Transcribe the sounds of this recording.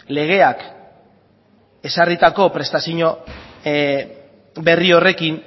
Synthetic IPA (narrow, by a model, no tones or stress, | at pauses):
le̞ɣ̞e̞ak | e̞sarit̪ako̞pɾe̞st̪asiɲo̞ | be̞rio̞re̞kin